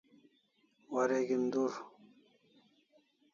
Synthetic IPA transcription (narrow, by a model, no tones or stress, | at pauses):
waɾeɡind̪uɾ